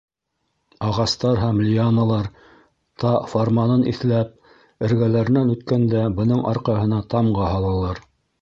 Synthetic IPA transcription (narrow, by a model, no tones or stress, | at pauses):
ɑʁɑst̪ɑɾɦæmlʲianɑlˠɑɾ | t̪ɑformɑnɤnʔḭθlæp̚ | ɘ̆ɾɡælæɾɘ̆nænʉt̪kænd̪æbɤ̆nɤɴʔɑɾqɑɦɤ̆nɑt̪ɑmʁɑhɑlˠɤ̆lˠɑɾ